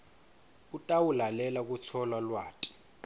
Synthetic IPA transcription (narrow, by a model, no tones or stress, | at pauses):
utʼawulalɛlak̬ʼut͡sʰɔlalwaːtʼi̥